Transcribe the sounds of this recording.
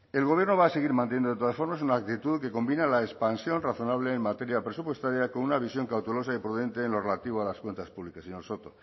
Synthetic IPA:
e̞lɣo̞β̞je̞ɾno̞β̞aːseɣ̞iɾmãnt̪ejend̪ot̪oasfo̞ɾmasunaːk̚t̪it̪uðke̞ko̞mbinalaespansjo̞nraθo̞naβ̞le̞ːmmat̪e̞ɾjapɾe̞supwe̞st̪aɾjakonunaβ̞isjo̞ŋkawt̪elo̞saipɾuðe̞nt̪eːnlo̞relat̪iβ̞oalaskwe̞nt̪aspuβlikaseɲoɾso̞t̪o

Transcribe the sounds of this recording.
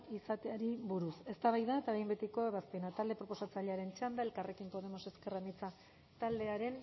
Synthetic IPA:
isat̪eaɾiβuɾuse̞st̪aβajðaet̪aβejmbet̪iko̞eβaspe̞nat̪ald̪e̞pɾo̞po̞sat͡saʎeaɾe̞nt͡ʃand̪ae̞lkarʔe̞kimpo̞ðe̞mo̞se̞ske̞ramit͡sa | t̪ald̪e̞aɾe̞n

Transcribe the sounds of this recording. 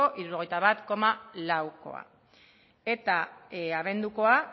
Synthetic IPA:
o̞ʔiɾuɾo̞ɣ̞ejt̪aβat̪ko̞malawko̞̰a̰ | e̞t̪aaβe̞nd̪uko̞a

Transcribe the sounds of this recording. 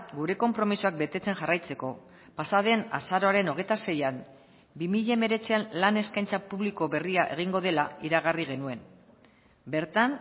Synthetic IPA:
ɡuɾe̞ko̞mpɾo̞misuak̚be̞t̪e̞t͡se̞nxarajt͡se̞ko̞ | pasaðe̞na̰saɾo̞aɾe̞no̞ɣ̞e̞jt̪ase̞jam | bimiʎame̞ɾe̞t͡seanlane̞skajnt͡sapuβliko̞βe̞riaʔe̞̰ɣ̞iŋɡo̞ð̞e̞laiɾaɣ̞ariɣ̞e̞nue̞m | be̞ɾt̪an

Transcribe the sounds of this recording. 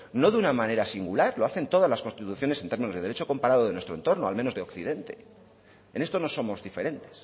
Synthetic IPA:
no̞ðunamãne̞ɾasiŋɡulaɾlo̞aθe̞nt̪o̞ðazlaskonst̪it̪uθjo̞nesent̪emĩno̞zðeet͡ʃo̞ko̞mpaɾaðoðenwe̞st̪ɾo̞nt̪o̞ɾno̞a̰lmenoðeo̞kθiðe̞nt̪e̞̰ | ene̞st̪o̞no̞so̞mo̞zðife̞ɾe̞nt̪e̞s

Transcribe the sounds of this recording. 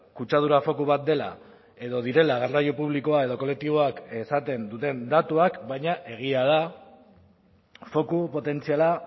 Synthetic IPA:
kut͡ʃað̞uɾafo̞kuβat̪̚d̪e̞la̰ | e̞ðo̞ðiɾe̞laɣerajopuβ̞liko̞ae̞ð̞o̞ko̞le̞k̚t̪iβ̞o̞ake̞sat̪e̞nd̪ut̪e̞nd̪at̪uakbajɲaʔe̞ɣ̞iað̞a | fo̞kupo̞t̪e̞nt͡siala

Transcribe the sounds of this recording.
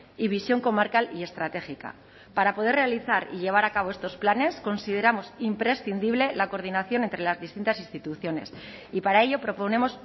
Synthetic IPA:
iβisjo̞ŋko̞maɾkalie̞st̪ɾat̪e̞xika̰ | paɾapo̞ð̞e̞re̞aliθaɾḭʎe̞β̞aɾakaβ̞o̞e̞st̪o̞splane̞sko̞nsið̞e̞ɾamo̞simpɾe̞sθind̪iβ̞le̞lako̞ɾð̞inaθjo̞ne̞nt̪ɾe̞lazðist̪int̪asinst̪it̪uθjo̞ne̞̰s | ipaɾae̞ʎo̞pɾo̞po̞nẽ̞mo̞s

